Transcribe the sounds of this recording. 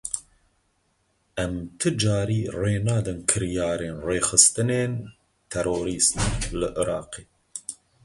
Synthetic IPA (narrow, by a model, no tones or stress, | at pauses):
ʔɛmt̪ʰɨd͡ʒɑːɾiːreːnɑːd̪ɨnkʰɨɾjɑːɾeːnreːxɨst̪ɨneːn | t̪ʰɛɾoːɾiːst̪lɨʔɨɾɑ̰ːqeː